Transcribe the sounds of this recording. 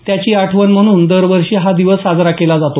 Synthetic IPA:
t̪jat͡ɕiːaʈʰʋənm̤əɽ̃uːnd̪əɾʋəɾʂeɦad̪iʋəsɦad͡zɾakelad͡zat̪o

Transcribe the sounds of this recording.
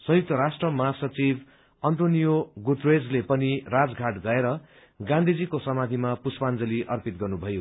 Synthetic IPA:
sʌjuk̚t̪ʌɾasʈrʌmʌɦasʌt͡sibʱ | ʌnʈonijoɡut̪red͡zlepʌnirad͡zɡʱaʈɡʌeɾʌ | ɡãnd̪ʱid͡zikosʌmad̪ʱimapuspand͡zʌliʔʌrpit̪̚ɡʌrnubʱʌjo

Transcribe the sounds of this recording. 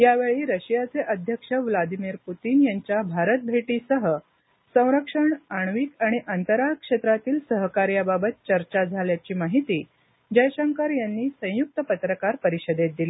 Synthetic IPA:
jaʋeɭiːɾəɕijat͡seʔəd̪ʱjəkʂəʋlad̪imiːɾput̪iːnjaɲt͡ɕjabʱaɾət̪̚bʱeʈiːsəɦə | sə̃w̃ɾəkʂəɳaɳ̃ʋiːkaɽ̃iʔant̪əɾakʂet̪ɾat̪iːlsəɦəkaɾjababət̪̚t͡ɕəɾt͡ɕad͡zʱaljat͡ɕiːmaɦit̪iː | d͡ʑəjɕəŋkaɾjanːiːsə̃juk̚t̪əpət̪ɾəkaɾpəɾiɕəd̪et̪̚d̪ili

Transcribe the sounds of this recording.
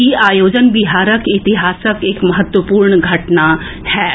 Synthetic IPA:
iaːjoːd͡ʒənbɪɦaːɾəkɪt̪ɪɦaːsəkeːkmɐɦət̪wəpuːɾɳɡʱɐʈna | hɛː

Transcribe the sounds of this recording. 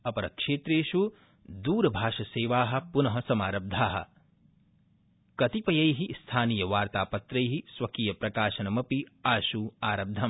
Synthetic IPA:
ɐpɐɾɐ̰kʂeːt̪ɾeːʃu | d̪uːɾɐbʱaːʃɐseːʋaːɦɐ̆punɐɦɐsɐmaːɾɐb̚d̪ʱaːɦɐ̰̆ | kɐt̪ipɐjɐjɦist̪ʰaːnijɐʋaːɾt̪aːpɐt̪ɾɐjɦisʋɐkijɐpɾɐkaːʃɐnɐmɐpiaːʃuaːɾɐb̚d̪ʱːɐm

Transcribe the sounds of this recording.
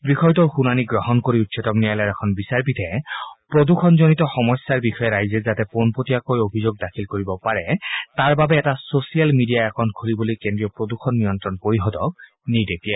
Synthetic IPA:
bɹixɔjtɔxunaniɡɹɔɦɔnkoɹiutsʰɔtɔmnijalaɹɛkʰɔnbisaɹpitʰɛpɹoduxʰɔnzonitɔxɔmɔsːaɹbixʰɔjɛɹajzɛzatɛponpotijakojobʱizoɡ̚dakʰilkoɹibɔpaɹɛtaɹbabɛːtasosijalmidijaakʰɔnt̚ɡʱoɹibolojkendɹiɔpɹoduxʰɔnːijɔntɹɔnpoɹiɦɔdɔk̚ | nijdekijɛ

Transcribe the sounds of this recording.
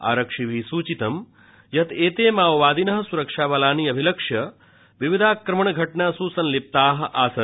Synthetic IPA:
a̰ːɾɐkʂiʋʱisuːt͡ʃit̪ɐm | jɐt̪eːt̪eːmaːʋʋaːd̪inɐɦɐ̆suɾɐkʂaːʋɐlaːniːɐbʱilɐkʂjɐ | ʋiʋid̪ʱaːkɾɐməɳɡʱɐʈɳaːsuːsɐnlip̚t̪aːɦʔaːsɐ

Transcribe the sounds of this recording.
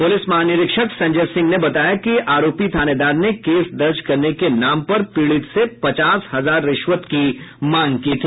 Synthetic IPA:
pʊlɪsmɐɦaːnɪɾɪkʃəksɐ̃ɲd͡ʒəɾsɪ̃ŋɡnebɐt̪aːjakiʔaːɾoːpit̪ʰaːned̪aːɾnekeːsd̪ɐɾd͡ʒkɐɾnekenaːmpɐɾpiːɭɪt̪sepɐt͡ʃaːshɐzaːɾːɪʃwət̪kimãːŋɡkiːt̪ʰi

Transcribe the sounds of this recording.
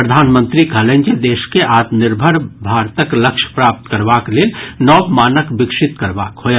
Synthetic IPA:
ɾəd̪ʱaːnmə̃nt̪ɾikɐlẽːɲd͡ʒed̪eːʃkeʔaːt̪nɪɾbʱəɾbʱaːɾt̪əkləkʃpɾaːp̚t̪kəɾʋakleːlnɔːbmaːnəkbɪkʃɪt̪kɐɾʋaːkʰoː

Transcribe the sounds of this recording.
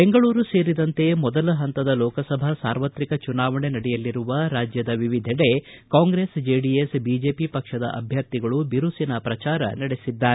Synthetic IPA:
beŋɡɐɭuːɾuse̞ːɾid̪ɐnt̪e̞mɔd̪ɐlɐɦɐnt̪ɐd̪ɐlɔːkɐsɐbʱɐsaːɾʋɐt̪ɾikɐt͡ʃunaːʋɐɳenɐɽɛjɐlːiɾuʋɐɾaːd͡ʒjɐd̪ɐʋiʋid̪ʱɛɽe̞kaːŋɡɾe̞ːsd͡ʒeːɖiesbiːd͡ʒe̞ːpipɐkʂɐd̪ɐ̰ʔɐ̰bʱjɐɾt̪iɡɐɭubiɾusinɐpɾɐt͡ʃaːɾɐ̰nɐɽesid̪ːaːɾe

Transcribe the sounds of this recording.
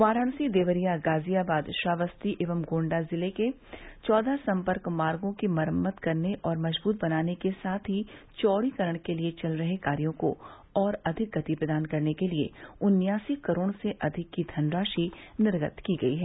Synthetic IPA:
ʋaːɾaːɽsid̪eːʋəɾijaɡaːzijabaːd̪ʃaːʋəst̪iʔɪʋəmɡõːɳɖazɪleke | t͡ʃɔːd̪ʱasɐ̃mpəɾkmaːɾɡõkimɐɾəmːət̪kɐɾneʔɔːɾmɐʒbuːt̪̚bɐnaːnekesaːt̪ʰɦi | t͡ʃɔːɽikɐɾəɽ̃keliet͡ʃɐlɾɐɦekaːɾijõko̰ | ɔːɾɐd̪ʱɪk̚ɡɐt̪ipɾəd̪aːnkɐɾnekeliḛʊnjaːsikɐɾoːɽ̃seʔɐd̪ʱɪkːid̪ʱɐnɾaːʃinɪɾɡət̪kiɡɐiɦɛː

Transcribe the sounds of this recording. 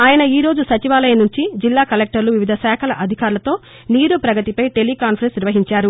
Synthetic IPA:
aːjɐnɐiːɾo̞ːd͡ʒusɐt͡ʃiʋaːlɐjɐnuɲt͡ʃid͡ʒilːaːkɐlek̚ʈɐɾluʋiʋid̪ʱɐsaːkʰɐlɐʔɐd̪ʱikaːɾlɐt̪o̞ː | niːɾupɾɐɡɐt̪ipɐjʈe̞likaːnpɐɾensniɾʋɐɦiɲt͡ʃaːɾu

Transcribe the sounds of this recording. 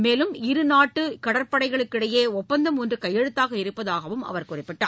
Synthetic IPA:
meːlɯmɪɾɯnaːʈːɯkɐɽɐɾpɐɽɐɪɣɐɭɯkːɪɽɐjeːɔpːɐnd̪ɐmɔndrɯkɐjːɛɻɯt̪ːaːɣɐɪɾɯpːɐðaːɣɐʋɯmɐ̰ʋɐɾkʊrɪpːɪʈːaː

